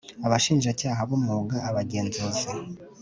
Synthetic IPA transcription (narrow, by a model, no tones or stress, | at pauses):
aβaʃiːnʒacaːɦaβomŋoːɡaʔaβaɟe̞ːnzuzi